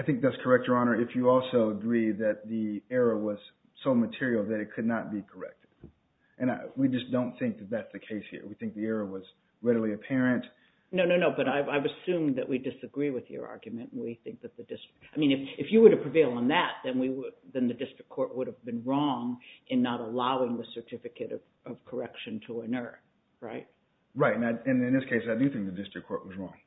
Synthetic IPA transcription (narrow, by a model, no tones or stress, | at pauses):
aɪθɪ̃ŋk̚ðɨtskʰə˞ɛk̚tə˞ɑnə˞ɨfjɨɔlˠsoʊəɡɹiðɨt̪̚ðiɛɹəwʌz̥ | soʊmɨtʰɪɹil̩ˠðɨɾɨt̚kʰɨdⁿnət̚b̥ikʰə˞ɛ̰k̚tʰɨd̥ | ʔɨ̃nwid͡ʒʌsd̥õʊ̃nθɪ̃ŋk̚ðɨt̪̚ðætsðɨkʰeɪshḭɹwiθɪ̃ŋk̚ðiɛɹəwʌz | ɹɛɾl̩ˠiɨpʰɛɹɨ̃nt | noʊnoʊnoʊbʌɾaɪaɪvɨsʉ̃mðɨʔwidɨsɨɡɹiwɨðjə̰˞ʔɑ̰ɹɡjɨmɨ̃nt̩wiθɪ̃ŋk̚ðɨt̪̚ðɨdɪstɹ̥ɨkaɪmĩnɨfɨfjɨwə˞ɾɨpʰɹ̥ɨveɪlˠə̃nðæt̪̚ðɨ̃nwiwðɨ̃nðɨdɪstɹ̥ɨkʰːɔɹʔ̚wʊɾɨvbɨ̃nɹɔ̃ŋʔɨ̃nːəɾəlaʊɪ̃ŋðɨsə˞tʰɪfɨkɨɾʌ̰v̥ | ʌv̥kʰə˞ɛkʃɨ̃ntʰəənɜ˞ | ɹa̰ɪt̚ | ɹaɪtɨ̃naɪɨ̃nɨ̃nðɪskʰeɪsaɪdɨɨθɪ̃ŋk̚ðɨdɪstɹ̥ɨkʰːɔɹʔ̚wʌzɹɔ̰̃ŋ